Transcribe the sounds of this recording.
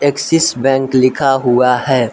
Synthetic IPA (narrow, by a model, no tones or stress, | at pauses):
eksɪsbɛ̃ːŋklɪkʰaɦuahɛː